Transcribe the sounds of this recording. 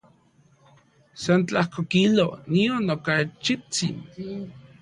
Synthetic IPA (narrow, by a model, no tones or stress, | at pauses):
sant͡ɬahkokilonionːokat͡ʃit͡sḭn